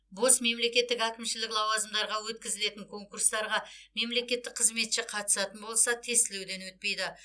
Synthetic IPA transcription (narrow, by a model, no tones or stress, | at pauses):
bo̞sme̞mle̞kʲe̞t̪ːɪkækʲɪmʃɪlɪklˠɑwɑzəmd̪ɑɾʁɑwɵt̪kʲɪzɪle̞t̪ɪŋkʰo̞ŋkurst̪ɑɾʁɑme̞mle̞kʲe̞t̪ːɪk̚qʰəzme̞t̪ʃɪqʰɑt̪ə̥sɑt̪ənbo̞lˠsɑt̪ʰe̞st̪ɪlewd̪e̞nwɵt̪̚pe̞jd̪ɪ